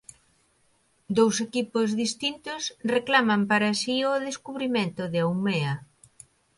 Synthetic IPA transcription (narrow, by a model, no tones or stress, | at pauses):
d̪owsekipʊzðist̪int̪ʊsreklamɐmpaɾasioðeskuβɾimẽnt̪ʊðɪawmeɐ